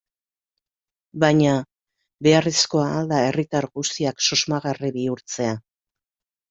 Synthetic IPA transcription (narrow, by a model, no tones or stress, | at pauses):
baɲa | be̞aresko̞aːld̪ae̞rit̪aɾɣust̪iakso̞zmaɣariβiuɾt͡se̞a